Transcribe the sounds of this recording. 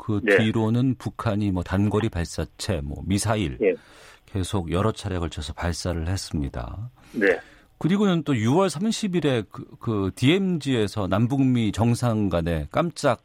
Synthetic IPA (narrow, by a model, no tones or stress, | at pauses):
kɯiɾonɯnpukʰaɲimwʌtanɡʌɾipaɭs͈at͡ɕʰe̞mwʌ̰misʰaiɭke̞sʰoɡjʌɾʌt͡ɕʰaɾe̞kʌɭt͡ɕʰʌsʰʌpaɭs͈aɾɯɭhes͈ɯmɲida̰ | ne | kɯɾiɡonɯnt͈ojuwʌɭsʰamɕʰibiɾe̞kɯtie̞md͡ʑie̞sʰʌnambuŋmit͡ɕʌŋsʰaŋɡane̞k͈amt͡ɕ͈ak̚